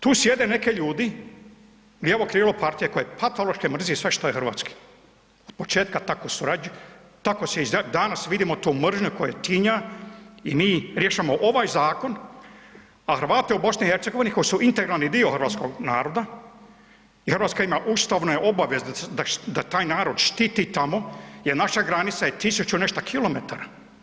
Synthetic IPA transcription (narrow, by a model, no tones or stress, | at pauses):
t̪uːsje̞d̪ene̞ke̞ʎuːd̪i | ɡieʋokɾiːlopaɾt̪ijeko̞jepʰat̪olˠoʃkemr̩ziisʋeʃt̪ojexɾrʋa̰ːt̪ski̥ | od̪̥̚po̞t͡ʃeːt̪̚kat̪akosuɾad͡ʒ | t̪akoseizad̪anasʋid̪imo̞t̪uːmr̩ʒɲukojet̪iɲa | imiːɾjeːʃamo̞ʔoʋajzaːko̞n | axəɾʋaːt̪eubo̞snihe̞ɾt̪seɡo̞ʋiniko̞jisuʔint̪eɡɾalnid̪ioxr̩ʋaːt̪sko̞ɡna̰ːɾo̞d̪a | ixəɾʋat̪skaimaʔust̪aʋnojeʔo̞baʋjezd̪ad̪at̪aːjnaːɾo̞d̪ʃt̪it̪it̪amo̞jeɾnaʃaɡɾanit̪sajet̪isut͡ɕuneʃt̪akʰilo̞met̪aɾa